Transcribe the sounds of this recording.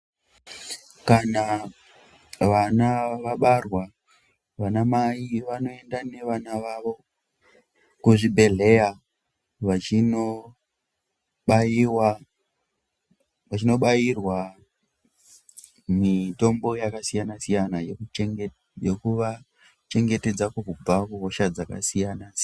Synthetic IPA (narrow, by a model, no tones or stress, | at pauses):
kana | ʋanaʋaɓarwa | ʋanamaiʋano̞e̞ndane̞ʋanaʋaʋo̞ | kuʐibʱe̞ɮe̞ja | ʋain | ɓaiwa | ʋat͡ʃino̞ɓajirwa | mito̞mbo̞jakasijanasijanaj | jokuʋa | t͡ʃe̞ŋɡe̞te̞d͡zakukub͡vakuɦoʃad͡zaka̰sijanas